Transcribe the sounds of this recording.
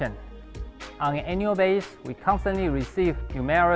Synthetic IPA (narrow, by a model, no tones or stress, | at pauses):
ə̃n | ʔɔ̃nɛ̃njuəbeɪswikʰɔ̃nstə̃nʔliɹisivnjumɛɹə